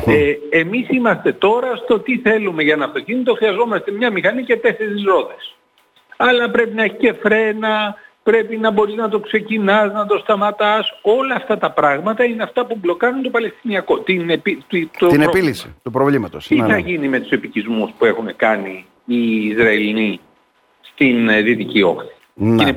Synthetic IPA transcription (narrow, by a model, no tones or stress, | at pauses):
eemisimɐst̪e̞t̪o̞ɾɐst̪o̞t̪iθe̞lume̞ʝɐnɐft̪o̞cinit̪oxɾiɐzo̞mɐst̪e̞mɲɐmixɐniɐce̞t̪e̞se̞ɾizɾo̞ðes | ɐlɐpɾe̞pinɐeçi̥ce̞fɾe̞nɐpɾe̞pinɐbo̞ɾiznɐt̪o̞kse̞cinɐznɐt̪o̞st̪ɐmɐt̪ɐso̞lɐːft̪ɐt̪ɐpɾɐɣmɐt̪ɐineɐft̪ɐpublo̞kɐɾunt̪o̞pɐle̞st̪iniɐko̞t̪inepit̪it̪oinepilisḭt̪upɾovlimɐt̪osiθɐʝinime̞t̪u̥se̞picizmuspue̞xune̞kɐniː | zɾɐelini | st̪inðit̪icio̞̰xθi̥ | nine